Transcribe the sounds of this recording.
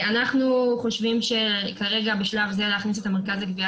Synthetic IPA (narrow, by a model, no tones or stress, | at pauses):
anaχnuχo̞ʃvimʃe̞kaʁe̞ɡabeʃlavzealeːaχnis̬e̞t̪ame̞ʁkazakvia